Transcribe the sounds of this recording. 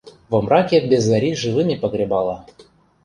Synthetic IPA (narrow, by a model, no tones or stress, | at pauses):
vɤ̆mrɑkʲebʲezːaɾʲiʐɨvɨmʲipɤɡɾʲebɑlˠɑ